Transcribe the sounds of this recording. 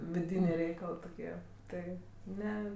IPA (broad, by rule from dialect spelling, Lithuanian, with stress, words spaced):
ʋʲɪˈdʲiːnʲeː ˈrʲɛɪkɐlˠɜ toːˈkʲiɛ ˈtɐɪ ˈnʲɛ